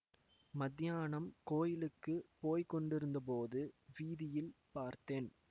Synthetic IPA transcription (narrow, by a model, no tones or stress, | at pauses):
mɐd̪jaːɳɐmkoːjɪlɯkːɯpoːjkɔɳɖɪɾɯnd̪ɐp̬oːðɯʋiːðɪjɪlpaːɾt̪eːn